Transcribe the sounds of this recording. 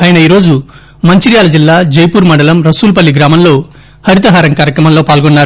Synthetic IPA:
aːjɐnɐiːɾo̞ːd͡ʒu | mɐɲt͡ʃiɾjaːlɐd͡ʒilːaːd͡ʒɐjpuːɾmɐɳɖɐlɐmɾɐsuːlpɐlːiɡɾaːmɐmlo̞ː | hɐɾit̪ɐɦaːɾɐŋkaːɾjɐkɾɐmɐmlo̞ːpaːlɡɔnːaːɾu

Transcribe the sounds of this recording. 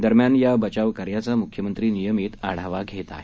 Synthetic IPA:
d̪əɾmjanjabət͡ɕaʋkəɾjat͡samukʰjəmənt̪ɾiːnijəmiːt̪aɽ̤aʋaɡʱet̪a̰e

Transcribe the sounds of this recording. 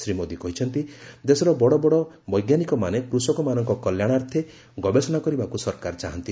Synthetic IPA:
sɾimod̪ikɔɦit͡ʃʰɔnt̪id̪esɔɾɔbɔɽɔbɔɽɔ | bɔjɡjanikɔmanekɾusɔkɔmanɔŋkɔkɔljaɽ̃aɾt̪ʰe | ɡɔbesɔnakɔɾibakusɔɾkaɾt͡ʃaɦɔnt̪i

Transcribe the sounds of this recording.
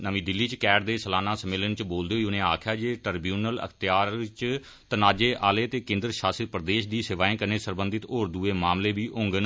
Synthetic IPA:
nəʋĩːd̪ɪlːiːt͡ʃkɛːʈd̪eːsəlaːnaːsəmɪlənt͡ʃboːld̪eːɦoiːʊnẽːaːkʰjaːd͡ʒeːʈəɾbjuːnələ̰kʰt̪ɪjaːɾt͡ʃ | t̪ənaːd͡ʒeːʔaːleːt̪eːkẽːnd̪əɾʃaːsət̪̚pɾd̪eːʃd̪iːsɪʋaːẽːkəneːsəɾbənd̪ɪt̪oːɾd̪uːeːmaːmleːbiːʔʊ̃ŋɡən

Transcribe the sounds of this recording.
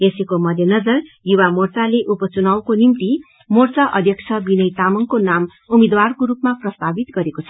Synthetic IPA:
esikomʌd̪ʱjʌnʌd͡zʌr | juwamort͡saleʔupʌt͡sunawkonimt̪i | mort͡saʔʌd̪ʱjʌkt͡sʰʌbinʌjt̪amʌŋkonam | umed̪warkoɾupmaprʌst̪abit̪ɡʌɾekot͡sʰʌ̥

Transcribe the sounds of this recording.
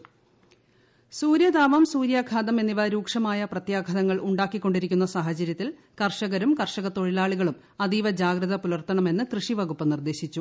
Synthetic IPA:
suːɾjɐd̪aːʋɐmsuːɾjaːkʰaːd̪ɐme̞nːiʋɐɾuːkʂɐmaːjɐprɐt̪jaːɡʱɐðɐŋːɐɭʔuɳɖaːkːikːo̞ɳɖiɾikʲːunːɐsaːɦɐt͡ɕɐɾjɐt̪ːil | kɐrʂɐɣɐɾumkɐrʂɐɣɐt̪ːo̞ɻilaːɭiɣɐɭum | ɐd̪iːʋɐd͡ʑaːɡɾɐðɐpulɐrt̪ɐɳɐme̞nːɨkrɨʂiʋɐɣupːɨnird̪e̞ːɕit͡ɕːu

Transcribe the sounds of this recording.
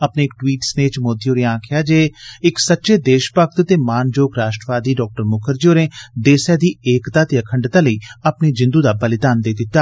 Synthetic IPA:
əpneːɪkʈwiːʈsneːt͡ʃmoːd̪ijoːɾeːãːkʰɪjaːd͡ʒeːɪksətːʃeːd̪eːʃpək̚t̪t̪eːmaːnd͡ʒoːkɾaːʃʈɾəʋaːd̪iːɖɔːk̚ʈəɾmʊkʰəɾd͡ʒioːɾẽːd̪eːsɛːd̪iːeːkt̪aːt̪eːəkʰəɳɖt̪aːləiːəpneːd͡ʒɪ̃nd̪uːd̪aːbəlɪd̪aːnd̪eːd̪ɪt̪ːaː

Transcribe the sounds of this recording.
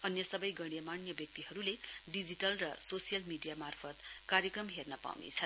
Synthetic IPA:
ʌnjʌsʌbʌjɡʌɽjʌmanjʌbjʌk̚t̪iɦʌɾuleɖid͡ziʈʌlrʌsosijʌlmiɖijamarpʰʌt̪kaɾjʌkrʌmɦernʌpa̰wnḛt͡sʰʌ

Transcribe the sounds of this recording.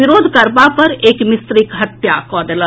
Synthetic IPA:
iɾod̪ʱkəɾbapəɾekmist̪ɾikɦət̪jakɔd̪elə̃

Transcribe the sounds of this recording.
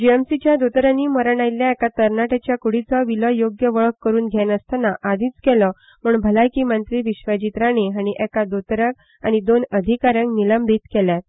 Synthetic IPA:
d͡ʑiɛmsit͡ɕjad̪ot̪ɾaniːməɾəɳajljaɛkat̪əɾnaʈat͡ɕjakuɽ̤it͡sɔʋiləjoɡjəʋəɭəkːəɾuːnɡʱjɛnəst̪anaʔad̪ʱĩːt͡skɛlɔ | muːɳbʱəlajkiːmənt̪ɾiːʋiɕʋəd͡ʑit̪ɾañeɦaɽ̃iʔɛkad̪ot̪ɾək | a̰ɽ̃id̪onəd̪ʱikaɾjãŋkniləmbʱiːt̪kɛljat̪̚

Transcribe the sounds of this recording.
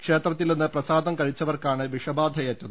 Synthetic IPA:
kʂe̞ːt̪rɐt̪̬ːilninːɨprɐsaːd̪ɐmkɐɻit͡ɕːɐʋɐrkaːɳɨʋiʂɐbaːd̪ʱɐjɐtːɐðɨ

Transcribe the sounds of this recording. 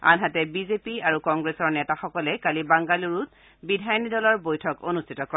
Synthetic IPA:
a̰nɦatɛbizepiaɹukɔŋɡɹesɔɹnɛtaxɔkɔlɛkalibaŋɡaluɹut̚ | bidʱajnidɔlɔɹbojtʰɔkonustʰitɔkɔ

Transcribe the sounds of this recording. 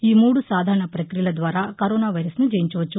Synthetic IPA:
iːmuːɽusaːd̪ʱaːɾɐɳɐpɾɐkɾijɐlɐd̪ʋaːɾaːkɐɾoːnaːʋɐjɾɐsnud͡ʒɐjiɲt͡ʃɐʋɐt͡ʃːu

